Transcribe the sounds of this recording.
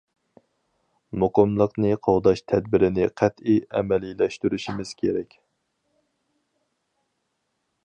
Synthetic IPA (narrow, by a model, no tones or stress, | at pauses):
moqəmlˠəqnɨqʰɑwd̪ɑʃt̪ʰɛd̪bɪɾɪnɪqʰɛt̪iɛ̰mɛlilɛʃt̪yɾyʃimɪz̥kʲʰeɾɛkʲ